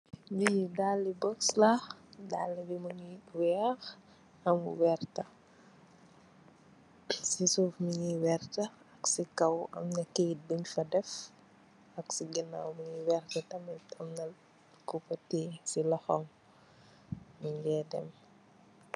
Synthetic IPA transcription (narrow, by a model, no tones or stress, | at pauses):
ɲijidalːibɔkslaxdalːibimuɲiwɛːx | ɐmuwɛrtɐ | sisuːfmiɲiwɛrtɐ | ɐksikɐwɐ̰mnɐket̚biɲfɐdɛf | ɐksiɡɛna̰wmiɲiwɛrtɐtɐmɐmnɐ | kupɐtɛsilɐxɔŋ | miɲjɛdɛ̰m